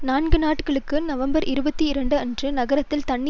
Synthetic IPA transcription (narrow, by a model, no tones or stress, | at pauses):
naːnɡɯnaːʈkɐɭɯkːɯnɐʋɐmbɐɾɪɾɯbɐt̪ːiɪɾɐɳɖɯɐndrɯnɐɣɐɾɐt̪ːɪlt̪ɐɳːɪ